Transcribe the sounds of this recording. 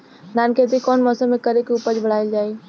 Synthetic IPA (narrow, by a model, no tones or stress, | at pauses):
naːnkʰet̪̬ikɔːnmɔːsəmːẽkəɾekeuːpəd͡ʒbəɽ̤aːeld͡ʒaːe